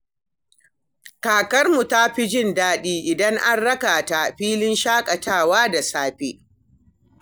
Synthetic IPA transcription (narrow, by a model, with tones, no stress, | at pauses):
kaː˨kɐ˦rmu˨ta˦ɸi˦d͡ʒɪ˦ndaː˦ɗiː˦ʔɪ˨dɐ˦ŋʔa˦nɽɐ˦kaː˨ta˦ɸiː˦lɪ˦nʃaː˦kʼɐ˨taː˦˨waː˦da˨saː˦ɸeː˦